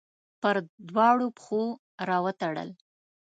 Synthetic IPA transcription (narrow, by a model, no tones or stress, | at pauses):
pəɾd̪wɑɽopxo | ɾɑwət̪aɽə̰l